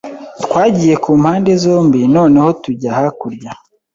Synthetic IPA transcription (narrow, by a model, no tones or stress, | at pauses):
tkwaːɟiːje̞kuːm̥haːnde̞zo̞ːmbino̞ːne̞ho̞tuɟahakuɾɟa